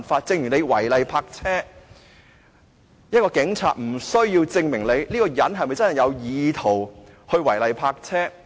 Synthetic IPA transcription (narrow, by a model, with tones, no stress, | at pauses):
nfaː˧t̚t͡sɪ˧ŋjyː˨˩ne˨˧jwɐ˨˩jlɐ˨jpʰaː˧k̚t͡sʰɛː˥ | jɐ˥t̚kɔː˧kɪ˨˥ŋt͡sʰa̰ː˧t̚m̩˨˩sɵ˥ɥjiː˧wt͡sɪ˧ŋmɪ˨˩ŋle˨˧jliː˥kɔː˧jɐ˨˥nɦɐ˨jmɐ˨jt͡sɐ˥nhɐ˨jɐ˨˧wjiː˨˧t̪ʰo˨˩w | hɵ˧ɥwɐ˨˩jlɐ˨jpʰaː˧k̚t͡sʰɛː˥